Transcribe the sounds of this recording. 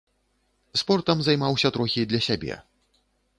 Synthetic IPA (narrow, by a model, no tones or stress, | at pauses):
spɔrt̪ɐmzajmawsʲɐt̪ɾɔxʲid̪lʲɐsʲabʲɛ̰